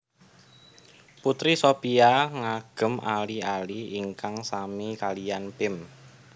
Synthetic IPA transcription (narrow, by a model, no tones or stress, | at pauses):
put̪ɾisopiaŋaɡ̥ə̤malialiŋkaŋsamikalijanpɪm